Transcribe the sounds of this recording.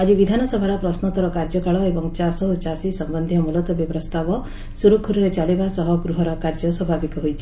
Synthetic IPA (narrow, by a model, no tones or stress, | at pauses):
ad͡ʒibid̪ʱanɔsɔbʱaɾɔpɾɔsnɔt̪ɔɾɔkaɾd͡ʒɔkaɭɔebɔŋt͡ʃasɔɦut͡ʃasisɔmbɔnd̪ʱjɔmulɔt̪ɔbjipɾɔst̪ʰabɔ | suɾukʰuɾuɾet͡ʃaɭibasɔɦɔɡɾuɦɔɾɔkaɾd͡ʒɔswɔbʱabikɔɦojt͡ʃʰi̥